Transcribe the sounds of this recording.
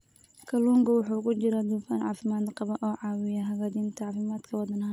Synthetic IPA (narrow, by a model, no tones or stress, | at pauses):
kʰɐluːŋɡɐwʊħuːkʰʊt͡ʃɪɾɐd̪uːfa̰ːnʕɑ̰ːfɪmaːd̪qɑβɐʔɔːʕɑːwɪjɐɦɐɣaːd͡ʒiːnt̪ʰɐʕɑːfɪmaːd̪kʰɐwɑd̪ɐnɦɐ